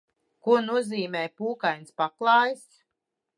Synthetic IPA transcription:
kuɔnuɔziːmɛːjpuːkajnspaklˠɑːjs

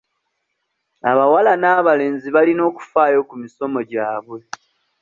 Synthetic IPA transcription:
aβawalanaːβale̞ːnziβalino̞ːku̥faːjo̞kumiso̞mo̞ɟaːβwe̞

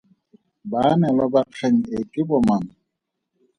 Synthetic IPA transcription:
banɛlabaq͡χʰɛɲ̩etʼɪbɔman̩

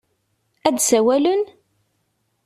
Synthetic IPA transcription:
æd̪sæwælən

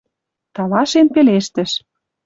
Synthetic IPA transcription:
t̪ɑlɑʃenpeleʃt̪ə̆ʃ

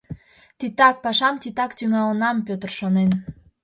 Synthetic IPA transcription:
t̪it̪ːɑk̚pɑʃɑmt̪it̪ɑkt̪yŋɑlənɑmpøt̪ərʃonen

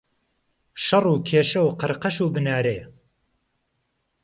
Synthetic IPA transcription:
ʃɐruːkʰeːʃɐwqɨɾqɐʃuːbɨnaːɾeː

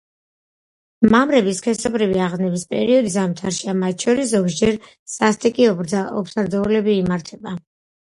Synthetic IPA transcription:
mamɾɛbiskʰɛsɔbɾiviaʁnɛbispʼɛ̰ɾiɔd̪is̬amt̪ʰaɾʃiamat̪ʰʃɔɾiszɔɡsd͡ʒɛɾ | sast̪ʼikʼiɔɔ̰pʰsaɾd̪ɔulɛbiːmaɾt̪ʰɛba

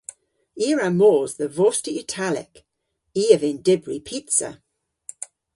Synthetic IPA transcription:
iːɹamoːzðəvɔstiɪtʰalɪ̰k | iːəvɪ̃ndɪbɹipʰitsə̰

